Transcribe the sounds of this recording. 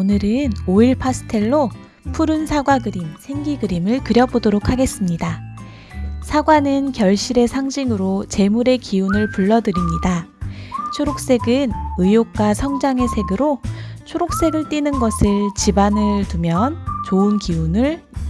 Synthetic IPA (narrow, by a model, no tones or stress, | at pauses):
onɯɾɯnoiɭpʰasʰɯ̥tʰe̞ɭːo | pʰuɾɯnsʰaɡwaɡɯɾimsʰe̞ŋɡiɡɯɾimɯɭkɯɾjʌbodoɾokʰaɡe̞s͈ɯmɲida | sʰaɡwanɯnkjʌɭɕ͈iɾe̞sʰaŋd͡ʑiŋɯɾot͡ɕe̞muɾe̞kiunɯɭpuɭːʌdɯɾimɲida | t͡ɕʰoɾok̚s͈e̞ɡɯnɯjok̚k͈wasʰʌŋd͡ʑaŋe̞sʰe̞ɡɯɾot͡ɕʰoɾok̚s͈e̞ɡɯɭt͈inɯnɡʌsʰɯɭt͡ɕibanɯɭtumjʌnt͡ɕoɯnkiunɯɭ